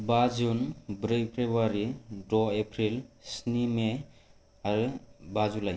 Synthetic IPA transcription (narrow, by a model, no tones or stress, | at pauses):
bad͡ʒunbɾɯpʰɾebaɾidɔepʰɾilsnime | aɾɯbazulaj